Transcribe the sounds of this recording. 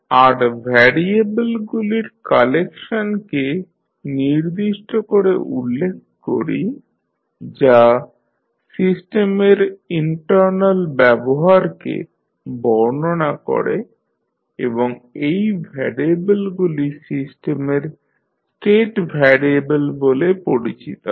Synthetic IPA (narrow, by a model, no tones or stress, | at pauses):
aɾbʱɛɾiebelɡuliɾkalekʃonke | niɾd̪iʃʈokoɾḛʔulːek̚ʰko̰ɾḭ | d͡ʑa | sisʈemeɾiɳʈaɾnalbɛboɦaɾkḛ | bɔɾnonako̰ɾe | eboŋejbʱɛɾiebelɡulisisʈemeɾ | sʈeʈbʱɛɾiebelbolepoɽit͡ɕit̪o